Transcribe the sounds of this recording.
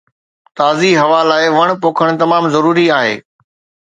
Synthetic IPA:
t̪aːziɦɐʋaːlaːɪʋɐɽ̃poːkʰəɽ̃t̪ɐmaːmzɐɾuːɾiaːɦḛː

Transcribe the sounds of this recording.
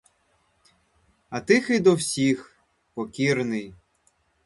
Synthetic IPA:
ɐt̪ɪxɪjd̪ɔwsʲix | pɔkʲirnɪj

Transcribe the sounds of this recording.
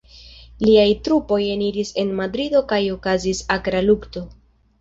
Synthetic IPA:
liajtɾupo̞je̞niɾise̞nmadɾido̞kajo̞kazisakɾalukto̞

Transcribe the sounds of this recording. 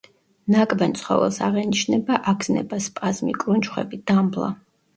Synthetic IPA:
nakʼbɛnt̪sʰχɔ̰vɛ̰lˠsaʁɛniʃnɛbaʔaɡz̥nɛ̰baspʼazmḭkʼɾunt͡ʃχwɛ̰bid̪amblˠa̰

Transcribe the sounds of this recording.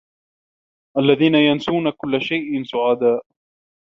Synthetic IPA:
ʔalːaðiːnajansuːnakʊlːaʃajʔɪnsʊʕaːd̪aːʔ

